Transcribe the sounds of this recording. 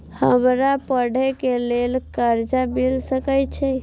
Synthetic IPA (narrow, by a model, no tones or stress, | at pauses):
həmɾapəɽʱɛkelelkəɾd͡ʒamilsəkəjt͡ʃʰɛ